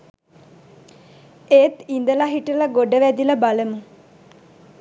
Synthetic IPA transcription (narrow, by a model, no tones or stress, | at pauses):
eːt̪ind̪əlaɦiʈələɡoɖəʋæd̪iləbaləmu